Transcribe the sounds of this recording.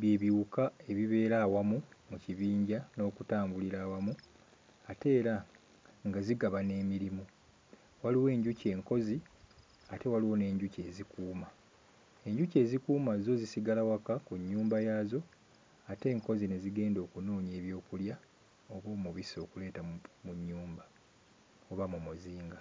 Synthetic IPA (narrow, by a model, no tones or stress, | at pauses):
bje̞ːβjiukae̞βiβe̞ːɾawamumuciβiːɲɟano̞ːkutaːmbuliɾawamu | ate̞ːɾa | ŋɡaziɡaβane̞ːmiɾimu | waliwe̞ːɲɟuce̞ːŋko̞zi | ate̞waliwo̞ne̞ːɲɟuce̞ːzikuːma | e̞ɲɟuce̞ːzikuːmazo̞zisiɡalawakakuɲːuːmbajaːzo̞ | ate̞ːŋko̞zine̞ziɡe̞ːndo̞ːkuno̞ːɲeːβjo̞ːkulja | oβoːmuβiso̞ːkule̞ːtamuɲːuːmba | o̞βamumuziːŋɡa